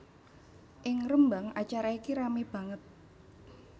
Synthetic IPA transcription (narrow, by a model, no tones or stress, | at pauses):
ʔɪŋrəmbaŋat͡ʃaɾaikiɾamib̥a̤ŋət̪̚